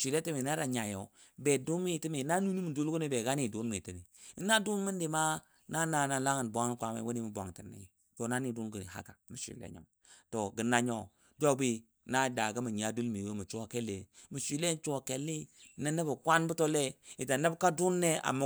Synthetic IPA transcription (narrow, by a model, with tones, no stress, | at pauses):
ʃi˨le˦ti˦mi˨na˦ɾa˨ɲa˨jo̰˨˦ | be˨du˦nmi˦˨ti˦mi˨na˦nu˦ni˦mu˨du˦lɡu˦ni˦be˨ɡa˦ni˦˨du˦n˦mi˨ti˦mi˨i˦na˦du˦n˦mə˦ndi˨ma˦ | na˦na˨na˨la˦ŋə˨n˨bo˦ŋ˦kʷa˨mḛ˦˨˦wo˦ni˦mi˨bo˨ŋ˨ti˨nːḭ˨ | to˨na˦ni˨du˦nɡi˨ha̰˦ka̰˨mi˨ʃḭ˨lḛ˦ɲo̰˨m | to˨ɡə˨na˦ɲo˦ | do˦bi˦ | na˦da˨ɡa˦mu˨ɲ˨a˨du˦lmi˨we˦mu˨t͡ʃu˦a˨ke˦le˨mu˨ʃi˨le˦n˦t͡ʃu˦˨ke˨lːi˦na˦nə˦ba˨kʷa˦nbu˦to˦le˦i˨ta˨nə˦bka˦du˦nːe˦a̰˨ma˦